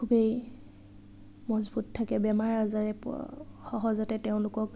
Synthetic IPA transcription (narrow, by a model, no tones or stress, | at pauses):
kʰubej | mɔzbuttʰːakɛbɛmaɹazaɹɛpxɔɦɔzɔtɛteʊ̃lʊkɔk̚